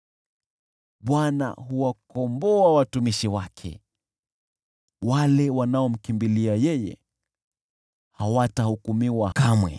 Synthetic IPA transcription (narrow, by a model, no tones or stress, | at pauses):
ɓwana̰ɦuwakɔmbɔawatumiʃiwakʰɛ̰ | walɛwanaɔm̩kimbiliajɛjɛ̰ | hawatahukumiwakamwɛ̰